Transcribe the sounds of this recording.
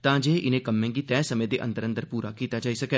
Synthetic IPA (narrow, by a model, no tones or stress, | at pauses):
t̪ãːd͡ʒeːʔɪnẽːkəmːẽːɡit̪ɛ̃ːsəmẽd̪eʔə̰̃nd̪əɾə̃nd̪əɾpuːɾakiːt̪ad͡ʒaːisɐkɛː